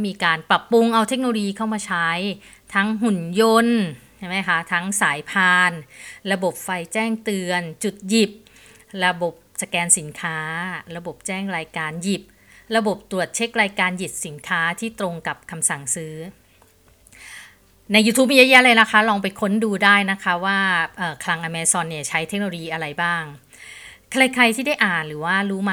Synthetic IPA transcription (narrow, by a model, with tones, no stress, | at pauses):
miː˧kaː˧npɾa˨˩pːu˧ŋʔa˧wt̪ʰe˦˥k̚noː˧lo˧jiː˧kʰa˥˩wmaː˧t͡ɕʰa˦˥j | t̪ʰa˦˥ŋɦhu˨˩njo˧nt͡ɕʰa˥˩jma˦˥jkʰa˦˥t̪ʰa˦˥ŋsaː˩˦jpʰaː˧nɾa˧bo˨˩p̚fa˧jt͡ɕɛː˥˩ŋt̪ɯ˧ənt͡ɕu˨˩t̪̚ji˨˩p̚ | ɾa˧bo˨˩p̚sa˧kɛː˧nsi˩˦nkʰaː˦˥ɾa˧bo˨˩p̚t͡ɕɛː˥˩ŋɾaː˧jkaː˧nji˨˩p̚ | ɾa˧bo˨˩p̚t̪ɾu˨˩ət̪̚t͡ɕʰe˦˥k̚ɾaː˧jkaː˧nji˨˩t̚si˩˦nkʰaː˦˥t̪ʰiː˥˩t̪ɾo˧ŋka˨˩p̚kʰa˧msa˨˩ŋsɯː˦˥ | na˧jːuː˧t̪ʰu˦˥p̬̚mi˧a˧ja˦˥ʔɾa˧jna˦˥kʰa˦˥lɔː˧ŋpa˧jkʰo˦˥nduː˧daː˥˩jna˦˥kʰa˦˥waː˥˩ʔɤː˨˩kʰla˧ŋʔa˧mɛː˧sɔː˧nːi˦˥˩ɐt͡ɕʰa˦˥jt̪ʰe˦˥k̚no˧oː˧jiː˧ʔa˧ɾa˧jbaː˥˩ŋ | kʰla˧jkʰa˧jt̪ʰiː˥˩da˥˩jʔaː˨˩nɾɯː˩˦waː˥˩ɾuː˦˥ma˧